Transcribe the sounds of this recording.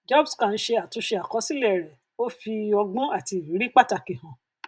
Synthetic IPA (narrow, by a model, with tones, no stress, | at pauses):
d͡ʒɔ˦bskã˦˨n̩˦ʃe˧a˨tũ˨˧˦ʃe˧a˨kɔ˨˦si˦lɛ˦˨ɾɛ˨ | o˦fi˧˦ɔ˧ɡũ˦a˦˨ti˧˨i˨˦ɾi˦k͡pa˦˨ta˧ki˨hã˨